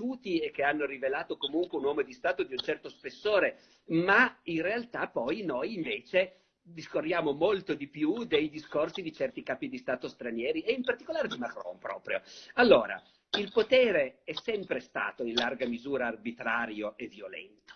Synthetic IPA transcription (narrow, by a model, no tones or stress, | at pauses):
uːt̪iek̟ːeanːoɾivelaːt̪okomuŋkweunwɔːmod̪ist̪aːt̪od̪iunt͡ʃɛrt̪ospesːoːɾe | mainrealt̪apːɔjnojiɱveːt͡ʃe | d̪iskorːjaːmomolt̪od̪ipjud̪ejd̪iskorsid̪it͡ʃɛrt̪ikaːpid̪ist̪aːt̪ost̪ɾanjɛːɾieimpart̪i̥kolaːɾed̪imakɾɔ̰mpɾɔ̰ːpɾjo̰alːoːɾa̰ | ilpot̪ɛːɾeɛsɛmpɾest̪a̰ːt̪oinlarɡamizuːɾaːrbit̪ɾaːɾjoʔeviolɛ̰nt̪o̥